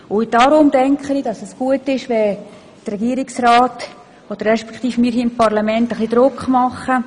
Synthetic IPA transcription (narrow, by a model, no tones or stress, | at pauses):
ʊd̥ɑːɾʊmdɛŋkχənidɑsɛsɡ̥uətɪʃʋɛ | drɛɡiəɾɪksraːt | od̥ərːɛʃpɛ̥kχtiːfmiːɦiːɪmpɑrlɑmɛntəχlˠid̪ɾʊkχmɑχə